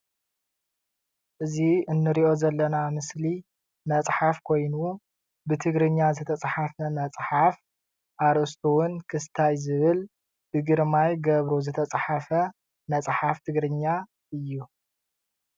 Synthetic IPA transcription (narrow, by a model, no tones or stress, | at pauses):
ʔɨziɨnːɨɾiʔo̞zɐlːɐnamɨsli | mɐt͡sʼħafkʰo̞jnu | bɨt̪ʰɨɡɾɨɲːazɨt̪ʰɐt͡sʼħafɐmɐt͡sʼħaf | ʔaɾʔɨst̪ʰuwʊnkʰɨst̪ʰajzɨβɨl | b̥ɨɡɨɾmajɡɐβɾozɨt̪ʰɐt͡sʼħafɐ | nɐt͡sʼħaft̪ʰɨɡɾɨɲːa | ɨjːu